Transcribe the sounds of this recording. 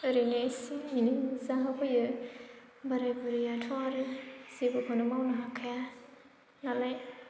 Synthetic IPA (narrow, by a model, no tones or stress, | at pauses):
ɯɾinesiinizaɦapʰɯjɯ | baɾajbuɾijatʰaɾɯz̥ebɯkʰɔnɯmawnaɦakʰaja | nalaj